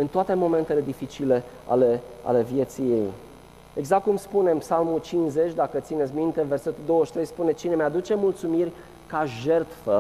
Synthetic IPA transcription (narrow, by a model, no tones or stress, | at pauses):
ɨnt̪oat̪e̞mo̞me̞nt̪e̞le̞d̪ifit͡ʃile̞ | a̰lea̰le̞vje̞t̪sije | e̞ɡzakt̪̚kumspune̞ɨnpsalmut͡ʃinze̞t͡ʃʲd̪akət̪sinet̪sʲmint̪e̞ve̞rse̞t̪uld̪o̞wəʃt̪ɾe̞jspune̞t͡ʃine̞mead̪ut͡ʃe̞mult̪sumirʲ | kaʒe̞rt̪fə